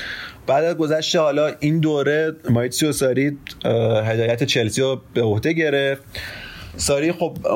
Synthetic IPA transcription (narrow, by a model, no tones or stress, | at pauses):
b̥æːd̪æzɡo̞zæʃt̪ehɒːlɒːind̪oːɾe̞mɒːit̪siosɒːɾi | ɦe̞d̪ɒːjæt̪ʰet͡ʃʰe̞lsiɾob̥e̞ohd̪e̞ɟe̞ɾeft̪ | sɒːɾiːxob